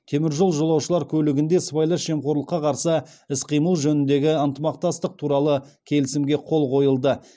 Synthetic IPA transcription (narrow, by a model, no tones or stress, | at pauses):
k̪ʲʰe̞mɪɾʒo̞lˠʒolˠɑwʃəlˠɑɾkʲʰɵlɪɡʲɪnd̪e̞svajlˠəʃe̞mqoɾlˠəqːɑqʰɑɾsə | ɪsqʰijməlˠʒɵnɪnd̪e̞ɡʲɪənt̪əmɑq̚t̪ɑst̪əq̚t̪ʰuɾɑlˠə | kʲʰe̞lɪsɪmɡʲe̞qʰo̞lˠqo̞jəlˠd̪ə